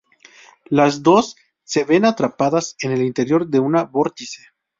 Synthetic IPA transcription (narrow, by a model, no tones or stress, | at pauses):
lazd̪o̞sː | e̞βe̞nat̪ɾapaðase̞ne̞lint̪e̞ɾjo̞ɾðe̞unaβo̞ɾt̪ise